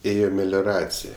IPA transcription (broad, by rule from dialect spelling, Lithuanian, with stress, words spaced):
ˈeːjoː mʲɛlʲoːˈrɑːt͡sʲɪj